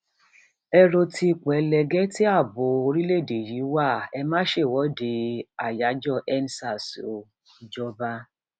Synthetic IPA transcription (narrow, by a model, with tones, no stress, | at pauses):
ɛ˦ɾo˧ti˧˨k͡pɛ˨lɛ˨ɡɛ˦ti˦a˦˨bʊ˨o˧ɾi˦le˦˨de˨ji˨˦wa˦˨ɛ˧mãː˦ʃe˦˨wɔ˨˦de˧a˨ja˨˦d͡ʒɔ˦˨ʔɛ˦n˦sa˦˨so˨ | d͡ʒɔ˦ba˦